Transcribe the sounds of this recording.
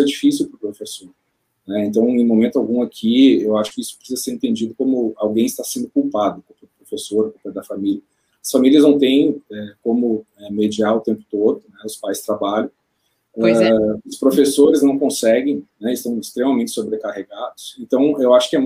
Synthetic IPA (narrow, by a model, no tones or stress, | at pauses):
ɛd͡ʒifisiwpɾʊpɾofesoɾ | nɛẽnt̪ɐ̃w̃ẽj̃mõmẽnt̪ʊawɡũakʰiewaʃʊ̥kɪisʊpɾɪ̥sizɐseɾẽnt̪ẽnd͡ʒid̪ʊkõmʊawɡẽj̃ɪst̪asẽnd̪ʊkuwpad̪ʊkõpʊɾpɾofesoɾkupaɾd̪ɐfamiliɐ | ɐsfamiliɐznɐ̃w̃t̪ẽj̃ɛkõmʊ | ɛmed͡ʒiaɾʊt̪ẽmpʊ̥t̪od̪ʊnɛʊspajst̪ɾabaʎɐ̃w̃ | ʊspɾofesoɾɪznɐ̃w̃kõsɛɡẽj̃nɛɪst̪ɐ̃w̃ɪst̪ɾemɐmẽnt͡ʃɪsobɾekaheɡad̪ʊsẽnt̪ɐ̃w̃ewaʃʊ̥kɪɛ